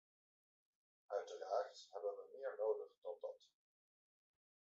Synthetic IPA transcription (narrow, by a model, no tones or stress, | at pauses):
ʔœɥtəraːɹthɛbənʋəmɪːɹnowdəχd̥ɑndɑ̰t